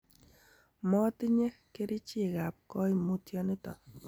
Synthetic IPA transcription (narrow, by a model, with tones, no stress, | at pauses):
mɔ˦tɪ˦ɲe˦ke˦ɾɪ˦t͡ʃɪ˦˨ɡa˨p̚kɔ˦i˨mu˦tjɔ˦nɪ˦t̪ɔ̰˨